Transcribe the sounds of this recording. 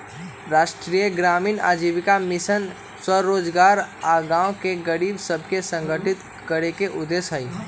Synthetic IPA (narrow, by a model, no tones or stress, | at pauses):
ɾaːʃʈɾiːjəɡɾaːmiːna̰ːd͡ʒiːʋɪkamɪsən | swəɾoːd͡ʒɡaːɾaːɡãːõkeɡəɾiːbsəbʱkesə̃ŋɡʱəʈɪt̪ | kəɾekeʔʊd̪ːeːsɦəi